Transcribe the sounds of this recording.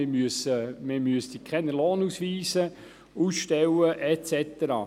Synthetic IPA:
ɪmyəsəmɪmyəsd̪ikχɛnəloːnusʋiːsə | uːsʃtɛwəʔɛt͡sɛt̪əɾɑ̰ː

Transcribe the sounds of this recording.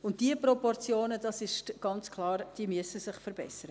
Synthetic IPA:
ʊnt̚d̥iəpɾɔpɔrt͡sjoːnəd̥ɑsɪʃɡ̥ɑnt͡skʰlˠɑːɾd̥iːəmyəsəsɪχfəɾbɛ̰səɾə

